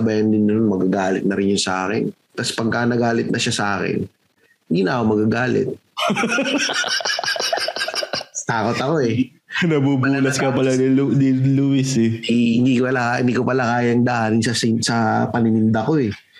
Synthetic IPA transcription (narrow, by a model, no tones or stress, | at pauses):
bɐjɐnd̪ɪnːɐnonmɐɡaɡaːlɪt̪̚nɐɾɪnjʊŋsɐʔa̰ːkɛ̰n | t̪ɐspɐɡ̚kanɐɡaːlɪt̪̚nʔɐʃasɐʔaːkɛ̰n | hɪnd̪iːnɐʔɐkomɐɡaɡaːlɪ̰t̪̚ | t̪aːko̞t̪ɐko̞ɛ | nɐbuːbuːnɐskɐpɐlanɪld̪iluɪsɛhɪnd̪ikopɐlakaɪnd̪ikopɐlakaːjɐŋd̪ɐʔaːnɪnsɐsɪsɐpɐnɪnɪnd̪ɐko̞ɛ